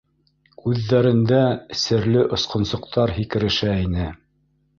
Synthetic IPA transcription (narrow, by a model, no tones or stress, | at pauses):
kʉðːæɾɘ̆nd̪æɘ̆sɘ̆ɾlɘʔŏsqŏnsŏq̚t̪ʰɑɾɦikɘ̆ɾɘ̆ʃæinɘ